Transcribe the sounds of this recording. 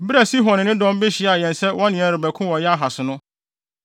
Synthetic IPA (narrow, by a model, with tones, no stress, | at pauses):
bɾæ˨si˦ɦɔ̃˨nɪ̃˨nɪ̃˦dɔ̃˦m˦be˦ɕɪ˨˦a˨jɛ̃˨nsɛ˦wɔ̃˦nɪ̃˨ɛ˦ɾɪ˨bæ˨kʰʊ̃˦wɔ̃˨jɛ˦a˦ɦa˨sʊ˨nʊ̃˦